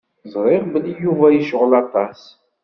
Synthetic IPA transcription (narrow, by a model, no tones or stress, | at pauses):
zˤɾˤɪʁbəlːijuvæjiʃʁəlɑt̪ˤɑs